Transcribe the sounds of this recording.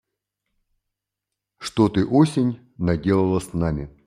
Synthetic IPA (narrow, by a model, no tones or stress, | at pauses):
ʂt̪ot̪ɨʔosʲɪnʲ | nɐdʲe̞lˠəlˠəsnamʲɪ